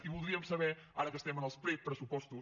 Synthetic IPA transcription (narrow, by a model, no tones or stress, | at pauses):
ivud̪ɾiɐmuʃsɐβeɾaɾɐkɐʃt̪ɛmɐ̃nɔspɾet̪̚pɐɾɐsupɔʃt̪u